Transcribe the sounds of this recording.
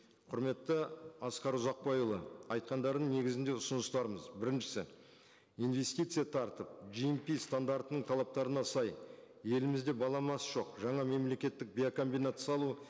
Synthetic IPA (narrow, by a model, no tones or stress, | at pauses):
qʰʊɾme̞t̪ːəɑsqɑɾʊzɑq̚pɑjlˠə̰ɑjt̪̚qɑnd̪ɑɾd̪əɴne̞ɡʲɪzɪnd̪e̞ʊsʊnəst̪ɑɾəməzbɪɾɪnʃɪ̥sɪ̰ | ijnve̞st̪ijt̪sɨjat̪ʰɑɾt̪əp̚ʒijmpijst̪and̪aɾt̪ənəɴt̪ʰɑlˠɑp̚t̪ɑɾənɑsɑj | je̞lɪmɪzd̪e̞bɑlˠɑmɑsʒo̞qʒɑɴɑme̞mle̞kʲe̞t̪ːɪk̚bʲiako̞mbijnat̪sɑlˠu